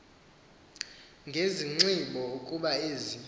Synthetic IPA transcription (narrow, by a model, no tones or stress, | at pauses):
ŋɡʱeziŋ͡ǀiɓɔukʼuɓaeːzi